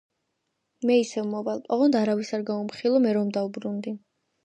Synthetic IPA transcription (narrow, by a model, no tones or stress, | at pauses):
mɛisɛvmɔvalpʼɔʁɔnd̪aɾavisaɾɡaumχilˠɔmɛɾɔmd̪aubɾund̪i